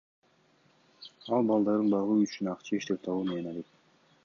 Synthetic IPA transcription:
ɑlˠbɑlˠd̪ɑɾd̪ɯnbɑʁuːyt͡ʃynɑqt͡ʃʰɑeʃt̪e̞p̚t̪ʰɑβuːmenenɑlek̚

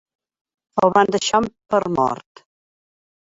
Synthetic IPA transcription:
ɔβand̪əʃampəɾmɔ̰ɾt̪

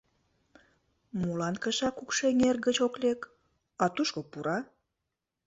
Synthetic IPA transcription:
mulɑnkəʃɑkukʃeŋerɡət͡ɕoklek | ɑt̪uʃkopuɾɑ

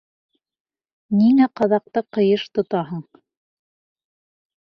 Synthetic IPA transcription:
niŋæqɑðɑq̚t̪ɤqɤ̆jɤʃt̪ŏt̪ɑɦɤɴ

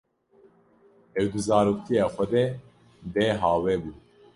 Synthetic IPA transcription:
ɛwd̪ɨzaːɾuːkt̪ʰijaːxʷɛd̪ɛ | d̪ɛːɦaːwɛːbuː

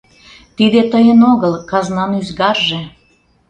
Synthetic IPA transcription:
t̪id̪et̪əjənoɣəlkɑznɑnyzɣɑrʒĕ

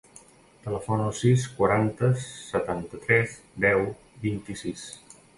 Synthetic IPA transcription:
t̪ələfɔnəlˠsiskwəɾant̪əsət̪ant̪ət̪ɾɛz | d̪ɛw | bint̪isis

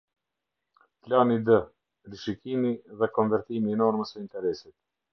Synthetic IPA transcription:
planid̪ə | ɾiʃikimiðɛkɔnvɛɾt̪iminɔɾməsəint̪ɛɾɛsit̪̚

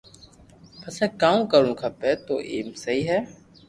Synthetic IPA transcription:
pəsɛːkaːũːkəɾũːkʰəpeːt̪o̰ːʔḛːmsəɦiːɦɛː

